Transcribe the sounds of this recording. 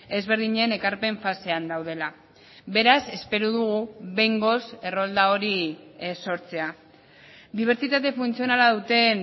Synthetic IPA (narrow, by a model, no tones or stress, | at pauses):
e̞zβ̞e̞ɾðiɲe̞ːne̞kaɾpe̞ɱfase̞and̪awð̞e̞la | βe̞ɾase̞spe̞ɾuðuɣuβe̞jŋɡo̞se̞ro̞ld̪ao̞ɾiso̞ɾt͡se̞a | d̪iβ̞e̞ɾt͡sit̪at̪̬e̞funt͡sio̞nalaðut̪e̞n